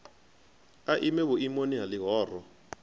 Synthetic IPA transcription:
aʔimɛβʊimoniɦalɪɦɔːrɔ

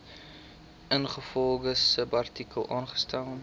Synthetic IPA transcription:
ʔənχəfɔlˠɡəsəbɐrtikəlˠʔɑːnχə̥stɛlˠm

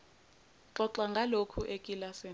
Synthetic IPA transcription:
ǁɔǁaŋɡʱalokʰuʔekʼilase

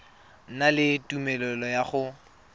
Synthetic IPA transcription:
n̩nalɪtumɛlɔlɔjaχʊ

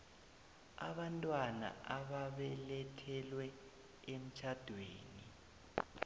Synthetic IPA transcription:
a̰βantʼwana̰aβaβɛlɛtʰɛlwɛ | em̩t͡ʃʰad̥ʱweːni

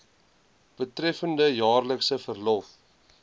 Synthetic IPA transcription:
b̥ətrɛfəndəjɑːrləksəfərlɔf

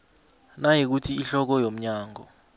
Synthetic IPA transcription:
najik̬utʰiːɬɔk̬ɔjom̩ɲaːŋɔ̰

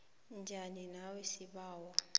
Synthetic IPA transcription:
nd͡ʒʱaninawesiɓaːwɔ

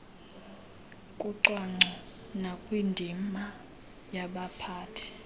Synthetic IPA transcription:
kʼuǀwaŋ͡ǀʱi | nakʼwindʱima | jaɓapʰaːtʰi̥

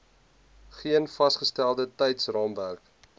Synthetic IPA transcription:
χiənfɐsχəstælˠdətɛjtsrɑːmværk

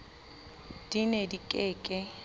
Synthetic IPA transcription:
d̥inedikʼeːkʼɛ

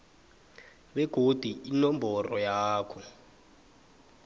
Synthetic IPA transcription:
ɓɛɡ̥ʱod̥ʱuinɔmbʱɔrɔjaːkʰɔ

